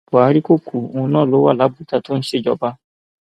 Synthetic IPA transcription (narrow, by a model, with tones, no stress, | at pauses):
bo˨a˧˦ɾi˦ko˦˨kʰu˨˦˧õ˧˦nãː˦˨lo˨˦wa˦˨la˨˦bu˨˦ta˧to˦n̩˦ʃe˦˨d͡ʒɔ˧˨ba˦